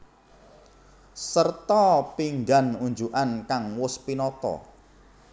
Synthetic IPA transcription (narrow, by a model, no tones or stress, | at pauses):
sərt̪ɔpiŋɡanuɲd͡ʒuʔankaŋwʊspinɔt̪ɔ̰